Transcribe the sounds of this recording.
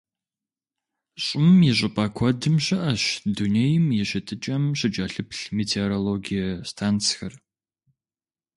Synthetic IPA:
ɕʼɪmjiɕ̬ʷʼɪpʼɐkʷʰɔdɨmɕɪʔɐɕdunejmjɪɕɪtʰɨt͡ʃʼɐmɕɪt͡ʃʼɐɬɨpɬmeːtʰeɾoloɡijɐstʰaːnt͡sxɐr

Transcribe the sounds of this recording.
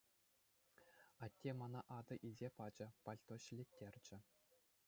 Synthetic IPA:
ɑtʲːemɑnɑʔɑd̪ɤ̆ʔilʲzʲepɑd͡ʑɤ̆pɑlʲt̪oɕɘ̆lʲetʲːerʲd͡ʑɘ̆

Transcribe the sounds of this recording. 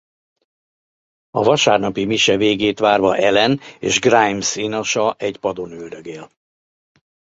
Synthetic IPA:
ɒvɒʃaːrnɒpimiʃɛveːɡeːt̪ʋaːrvɒʔɛlɛnḛːʒɡrajmsinoʃɒʔɛɟpɒd̪onyld̪øɡeːl

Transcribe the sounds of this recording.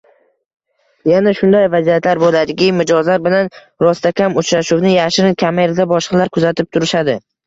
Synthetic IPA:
janaʃʊnd̪ajvazijat̪ʰlaɾbolad̪ɪkʲɪmɪd͡ʒɒzlaɾbɪlan | ɾɒst̪ʰakʲʰamʊt͡ʃɾaʃuwnɪjaʃɾɪnkʲʰameɾad̪abɒʃɑlaɾkʰʊzat̪ʰɪp̚t̪ʰʊɾɪʃad̪ɪ

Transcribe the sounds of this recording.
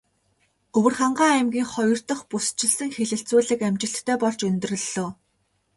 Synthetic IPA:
ɢɵwɘ̆rχaɴɢaːæmɡʲiːŋχɔjɞ̆r̥t̪ə̆χpust͡ɕɪ̆ɮsə̆ŋxeɮɘ̆ɬt͡suːɮɘ̆kæmt͡ɕɪ̆ɬt̪ʰːœːpɔɮt͡ɕɵnt̪rɵ̆ɮoː

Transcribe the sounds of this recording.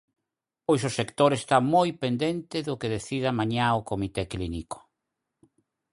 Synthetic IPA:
pojsosekt̪oɾest̪amojpend̪ent̪ɪðʊkeðeθiðamaɲaokomit̪ekliniko̥

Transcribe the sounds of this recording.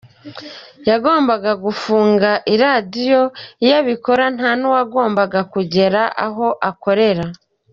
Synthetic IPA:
jaɡo̞ːmbaɡaɡufuːŋɡaʔiɾadijo̞ijaβiko̞ɾan̥anuwaɡo̞ːmbaɡakuɟe̞ɾaʔa̰ɦo̞ʔako̞ɾe̞ɾa

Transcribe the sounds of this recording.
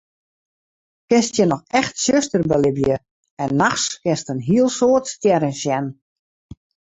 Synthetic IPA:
kɪstjənɔxɛxtsøstərbəlɪbjə | ɛnːaxskɪstənɦiəlˠsoːtstjɛɾəsjɛn

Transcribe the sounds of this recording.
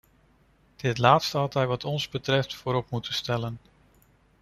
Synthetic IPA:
d̥ɪtlaːtstəɦɑtɛjʋɑtʰɔnzbətrɛftfoːɾɔpmutəstɛlən

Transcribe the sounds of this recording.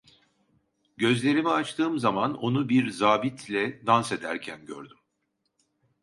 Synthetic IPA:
ɟø̞zlʲe̞ɾimiat͡ʃt̪ʰɯːmzamano̞nubiɾzaːbit̪ʰlʲɛd̪anse̞d̪æɾcʰænɟø̰ɾd̪ym

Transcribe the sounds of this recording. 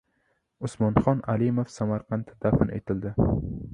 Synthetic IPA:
ʊsmɒnχɒnalɪmofsamaɾqʰɑnt̪ʰɪd̪afɪnʔḛt̪ʰɪld̪ɪ

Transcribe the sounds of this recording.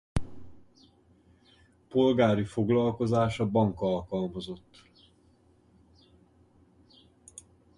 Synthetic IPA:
po̞lɡaːɾifo̞ɡlɒlko̞zaːʃɒbɒŋkɒlkɒlmɒzo̞t̪ː

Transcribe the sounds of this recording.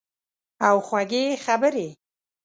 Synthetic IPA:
awxwaɡexabəɾe

